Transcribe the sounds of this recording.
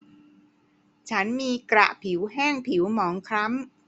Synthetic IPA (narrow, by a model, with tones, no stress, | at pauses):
t͡ɕʰa˦˥nmiː˧kɾa̰˨˩ʔpʰi˩˦wɦɛː˥˩ŋpʰi˩˦wmɔː˩˦ŋkʰɾa˦˥m